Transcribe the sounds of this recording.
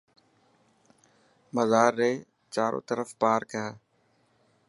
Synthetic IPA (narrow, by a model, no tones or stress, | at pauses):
məzaːɾːeː | t͡ʃaːɾʔõ̰ːt̪əɾəfpaːɾkəjaː